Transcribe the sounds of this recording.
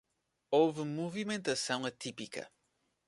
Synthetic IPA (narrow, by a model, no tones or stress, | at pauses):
ovɨmuvimẽnt̪ɐsɐ̃w̃ɐt̪ipikɐ̰